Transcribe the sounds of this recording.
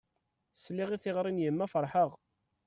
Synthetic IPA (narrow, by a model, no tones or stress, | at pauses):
sliʁiθiʁɾˤinjəmːæfəɾˤħəʁ